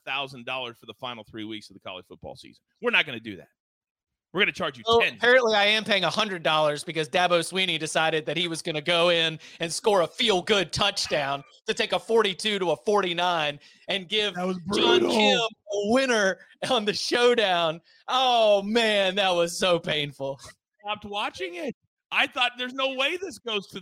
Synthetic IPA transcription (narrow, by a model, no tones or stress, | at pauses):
θaʊzə̃n̩dɔlˠə˞z̥fə˞ðəfãɪnl̩ˠθɹiwiksʌðɨkʰɑ̰lˠə̰d͡ʒ̥fʊt̚b̥ɔ̰lˠsḭzn̩wɨɹnɨt̚ɡ̥ʌnɨdɨ̰ðæ̰t̚ | wɨɹɡʌnɨt͡ʃʰɑɹd͡ʒɨɛ̃ənpʰɛɹɨ̃nʔliaɪɨ̃mpʰeɪɪ̃ŋəhʌ̃ndɹɨdɔlˠə˞zbɨkʌzdæboʊswĩñidɨsaɪɾɨd̪̚ðɨt̚hiwʌzɡʌnɨɡoʊɪ̃nɨ̃nskɔɹəfilˠɡʊd̚tʰʌt͡ʃd̥ãʊ̃n | tɨtʰeɪkəfɔɹɾitʰʉɾəəːfɔɹɾinãɪ̃n | ɨ̃nɡɪvt̚wʌzbɑ̃nɪməwɪ̃nə˞ə̃nðɨʃoʊdãʊ̃n | ʔoʊmæ̃nðət̚wʌz̥soʊpʰẽɪ̃nfl̩ˠstɑp̚t̚wɑt͡ʃɪ̃ŋɪt̚ | ʔaɪθɔt̪̚ðə˞znoʊweɪðɪsɡ̥oʊz̥tʰɨ